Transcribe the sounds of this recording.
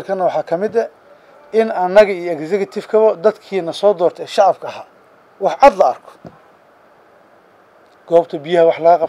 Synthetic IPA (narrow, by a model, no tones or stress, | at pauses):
lkʰɐnːɐwɑħɑːkʰɐmɪd̪ɐ | ɪnɐnːɐɣɐijɔɛɡsɛkʰɐt̪ʰɪfkʰɐβɐd̪ɐd̪kʰiːnɐsɔːd̪ɔːrt̪ʰɛɛːʃɑʕɑbkʰɐha̰ː | wɑħʕɑd̪lɐɐ̰rkʰɔ̥ | ɡ̥ɔːbt̪ʰɐbɪjɐhɐwɑħlɐɐqɑ